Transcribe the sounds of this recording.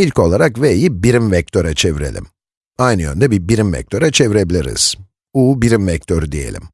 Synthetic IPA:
ilʲco̞lˠaɾakvejibiɾimvɛc̚t̪ʰøɾat͡ʃʰevɾelʲḭm | ajnɯø̰nd̪ɛbibiɾimvɛ̰c̚t̪ʰøɾat͡ʃʰe̞viɾe̞bilʲiɾḭz̥ | uːbiɾimvɛc̚t̪ʰøɾd̪ije̞̰lʲḭm

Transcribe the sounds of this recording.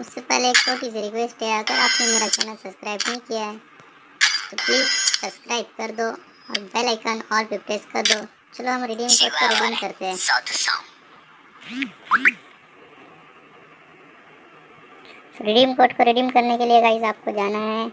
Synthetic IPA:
ʊsːepɛ̰ɦleːk̚t͡ʃoːʈiːsɾɪkweːsʈɦɛaːɡəɾaːpnemeːɾaka̰ːnəlsɐbskɾaːɪbnɐɦĩkijaɦɛː | t̪opliːzsɐbskɾaːɪb̚kɐɾd̪oː | ɔːɾbɛːlaɪkənɔːɾpɪpʈeːskɐɾd̪oː | t͡ʃɐloɦɐmɾɪːɖijəmkoːʈ̚koɾɪɖimkɐɾt̪eɦɛ̰̃ː | ɾɪːɖijəmkoːʈkoɾɪɖimkɐɾnekelieɡaːɪzaːp̚kod͡ʒaːnaɦɛː

